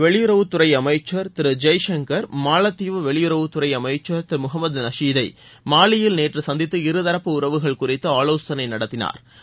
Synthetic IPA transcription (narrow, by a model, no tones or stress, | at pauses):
ʋɛɭɪjʊɾɐʋɯt̪ːʊɾɐɪɐmɐɪt͡ʃːɐɾt̪ɪɾɯd͡ʒɐɪʂɐŋɡɐɾmaːlɐt̪ːiʋɯʋɛɭɪjʊɾɐʋɯt̪ːʊrɐɪɐmɐɪt͡ʃːɐɾt̪ɪɾmʊɦɐmɐd̪nɐʂiːðɐɪ | maːɭɪjɪlneːʈrɯsɐnd̪ɪt̪ːɯɪɾɯðɐɾɐpːɯʊɾɐʋɯɣɐɭkʊrɪt̪ːɯaːloːst̪ɐnɐɪnɐɽɐt̪ːɪna̰ːɾ